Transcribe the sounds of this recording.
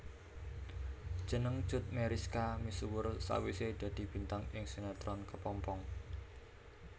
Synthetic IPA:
d̥ʒ̥ə̤nəŋ̥ʒ̥ʊ̤t̪̚meɾiskamisuwʊrsa̰wised̪̥a̤d̪̥i̤b̥i̤nt̪aŋɪŋsunat̪ɾɔnkəpɔmpɔŋ

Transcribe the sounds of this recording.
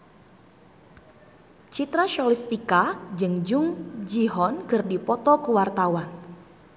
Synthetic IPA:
t͡ʃit̪ɾaʃɔlist̪ikad͡ʒɨŋd͡ʒuŋd͡ʒiɦɔnkɨrdipɔt̪ɔkəwart̪awan

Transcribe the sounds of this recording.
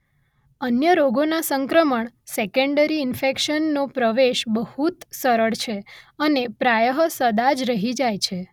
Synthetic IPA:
ənjəɾoɡonasəŋkɾəməɳsekəɳɖəɾiɪnfekʃənːopɾəʋeʃbəhut̪səɾəɭt͡ʃʰeənepɾajəɦsəd̪ad͡ʒɾəɦid͡ʒajt͡ʃʰe

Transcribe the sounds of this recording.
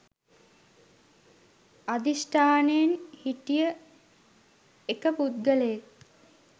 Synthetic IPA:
ad̪isʈʰaːnejnhiʈijə | ekəput̪ɡəleje

